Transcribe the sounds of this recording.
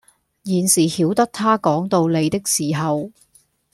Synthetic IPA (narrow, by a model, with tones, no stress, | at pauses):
jiː˨˩nsiː˨˩hiː˨˥wt̪ɐ˥k̚t̪ʰaː˥kɔː˨˥ŋt̪o˧wle˨˧jt̪ɪ˥k̚siː˨˩ɦɐ˨w